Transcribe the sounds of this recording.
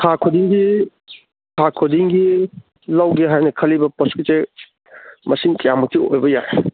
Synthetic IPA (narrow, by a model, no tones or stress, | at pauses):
tʰakʰodiŋɡi | tʰakʰodiŋɡi | lawɡeɦajnɐkʰɐlːibɐpɔskite | mɐsiŋkɐjamɐk̚tʰio̰jbɐjaj